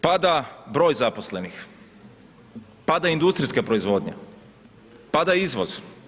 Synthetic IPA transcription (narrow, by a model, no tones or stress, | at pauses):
pad̪abɾo̞ːjzaposle̞nix | pad̪aind̪ust̪ɾiskapɾoizʋo̞ːd̪ɲa̰ | pad̪aizʋoz̥